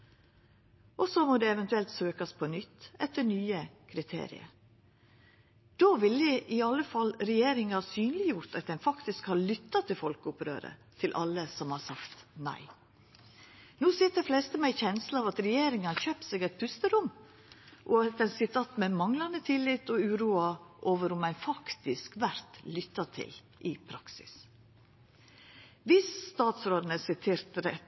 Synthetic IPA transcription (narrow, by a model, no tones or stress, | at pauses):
ʔɔsɔmɔd̪ɛɛʋɛnt̪ʉɛlt̪søːkɑspʰɔnʏt̪ːɛt̪ːənyːəkʰɾɪt̪ʰḛːɾɪ̰ə̰ɾ | d̪̥oːʋɪləʔɪɑlːəfɑlɾɛjeːɾɪŋɑhɑːsyːnlɪjʊɾt̪ɑt̪̚d̪ɛnfɑkt̪ɪskhɑɾɭʏt̪ːɑt̪ʰɪlfɔlkʊpɾø̰ːɾə̰t̪ʰɪlʔɑ̰lːəsɔmhɑɾsɑkt̪næ̰ɪ | nuːsiːt̪d̪ɛflɛst̪əmɛɪçɛnslɑːʋɑt̪ɾɛjeːɾɪŋɑnçøːpt̪sɛɡɛt̪̚bʰʉst̪əɾʊmː | ʔɔɑt̪̚d̪ɛnsɪt̪ʰɑːt̪mɛmɑŋlɑnət̪ʰɪlɪt̪ɔʉːɾuːɑʔoːʋəɾʊmæɪnfɑkt̪ɪskʋæɾt̪lʏt̪ːɑt̪ʰɪ̰l | ʔɪpʰɾɑksɪ̰s | ʋɪsst̪ɑːt̪sɾoːd̪nəsɪt̪ʰeːɾt̪ɾɛ